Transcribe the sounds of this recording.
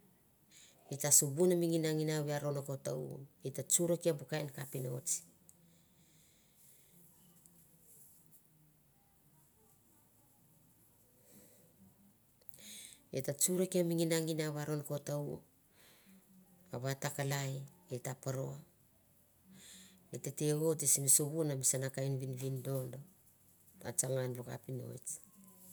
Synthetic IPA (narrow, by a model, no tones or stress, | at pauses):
itasubunamiŋinaŋinaβeaɾo̞noko̞taṵetat͡ʃuɾokiabukajnkapinot͡ʃi̥ | ḛtat͡ʃuɾekiamiŋinaŋinaβaɾonkotau | aβatakalajetapaɾoa | etete̞ɡo̞tesinisoβunamisanakajnβinβindo̞ndo | a̰t͡ʃaŋanβoka̰pino̰ḛt͡ʃ